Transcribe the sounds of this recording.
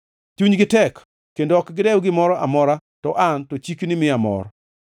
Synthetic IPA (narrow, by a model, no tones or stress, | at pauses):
t͡ʃuɲɡɪtɛkː | endoɔkɡɪdɛwɡɪmɔɾɔʔamɔɾatɔʔantɔt͡ʃiknɪmɪamɔ̰ɾɔ